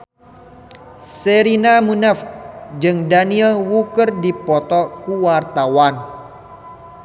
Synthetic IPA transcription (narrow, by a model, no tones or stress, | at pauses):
seɾinamunafd͡ʒɨŋdaniɛlwukərdipɔt̪ɔkuwart̪awan